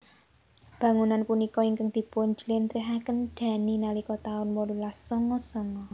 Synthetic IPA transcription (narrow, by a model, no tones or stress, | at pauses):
b̥ä̤ŋunanpunikɔiŋkəŋd̪̥i̤poɲd͡ʒlɪnt̪ɾiɦakənɖ̪̥a̤ninalikɔt̪aʊnwɔlulasːɔŋɔsɔŋɔ